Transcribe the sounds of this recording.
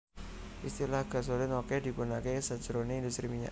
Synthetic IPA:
ʔist̪ilahɡ̥a̤s̬olɪnokɛd̪i̤punakesəd̥ʒ̥ɾoneind̪ust̪ɾimiɲa̰

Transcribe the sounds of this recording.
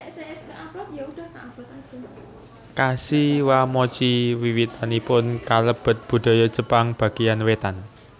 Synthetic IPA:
seɛskəʔapɔt̪̚jaud̥a̤kaab̥ɔt̪ḁd͡ʒə | kasiwamɔt͡ʃiwiwit̪anipʊnkaləb̥ə̤t̪̚b̥ṳd̪̥ɔ̤jɔd̥ʒ̥ə̤paŋb̥a̤ɡ̥ijanwet̪an

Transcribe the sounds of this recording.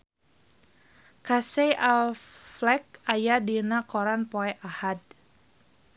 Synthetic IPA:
kasejʔalflɛk̚ajadinakɔɾanpoɛʔahad̚

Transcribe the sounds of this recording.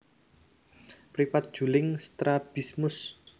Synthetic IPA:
pɾipat̪̚d̥ʒ̥ṳlɪŋst̪ɾab̥ismʊs

